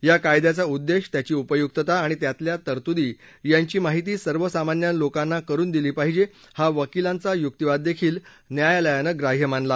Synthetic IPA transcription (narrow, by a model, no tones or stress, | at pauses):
jakajd̪jat͡saud̪ːeɕt̪jat͡ɕiːupəjuk̚t̪ət̪aːɽ̃it̪jat̪ljat̪əɾt̪ud̪iː | jaɲt͡ɕiːmaɦit̪̬iːsəɾʋəsamanjanlokãnːakəɾuːnd̪iliːpaɦid͡ʑe | haʋəkilãnt͡sajuk̚t̪əʋad̪ːekʰiːl | njajaləjanəɡɾaɦjəmaɳla